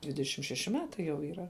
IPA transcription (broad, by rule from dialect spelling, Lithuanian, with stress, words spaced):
dʲʋʲɪdʲɛˈʃʲɪm ʃʲɛˈʃʲɪ ˈmʲæːtɐɪ jɛʊ iːˈrɐ